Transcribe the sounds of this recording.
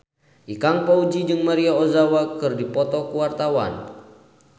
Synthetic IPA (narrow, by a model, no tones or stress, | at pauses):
ʔikaŋpaud͡ʒid͡ʒɨŋmaɾiaozawakɨrdipɔt̪ɔkuwart̪awa̰n